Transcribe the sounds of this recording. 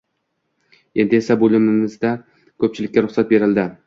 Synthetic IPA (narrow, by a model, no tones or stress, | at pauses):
e̞nd̪ɪe̞sabolɪmɪmɪzd̪a | kʰɵp̚t͡ʃʰɪlɪkʲːaɾʊχsat̪̚be̞ɾɪld̪ɪ